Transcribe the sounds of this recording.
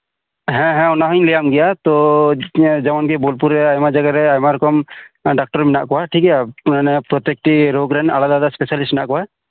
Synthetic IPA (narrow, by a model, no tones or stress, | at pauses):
ɦɛ̃ɦɛ̃wnaɦujɲlijamɡijat̪ɔ | d͡ʒamɔnkɛbolpuɾɛajmad͡ʒaɡaɾɛajmaɾɔkɔmɖak̚ʈɔɾmina̰ʔkɔwaʈʰikɛjananɛpɾɔt̪jek̚ʈiɾoɡɾɛna̰lad̪ad̪aspesalisʈnaʔkɔwa